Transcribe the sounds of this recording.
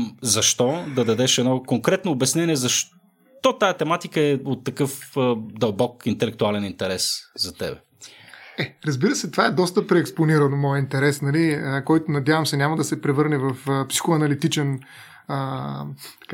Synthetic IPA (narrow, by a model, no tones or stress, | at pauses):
zɐʃt̪ɔd̪ɐd̪ɐd̪ɛʃɛd̪nɔkoŋkɾɛt̪noːbɛsnɛniɛzɐʃ | t̪ɔt̪ajɐt̪ɛmat̪ikəɛot̪ːɐkɤfəd̪ɐlˠbɔkint̪ɛlɛk̚t̪ualɛnint̪ɛɾɛszɐt̪ɛ̰bɛ̰ | ɛɾɐzbiɾəsɛt̪ovaɛd̪ɔst̪əpɾɛːksponiɾɐnomɔjɛint̪ɛɾɛsnɐliəkɔjt̪ʊnɐd̪javɐmsɛnʲamɐd̪ɐsɛpɾɛvɤɾnɛvɐfəpsi̥xoɐnɐlit̪it͡ʃɛn | ə | t̪ka